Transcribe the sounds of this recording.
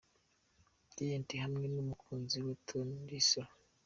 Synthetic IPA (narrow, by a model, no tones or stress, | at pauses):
tijentiɦamninumukʰunziwetʰondisɔ